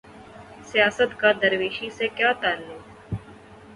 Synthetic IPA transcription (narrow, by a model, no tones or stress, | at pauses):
sijaːsət̪kad̪əɾʋeːʃisekjaːt̪aːlːe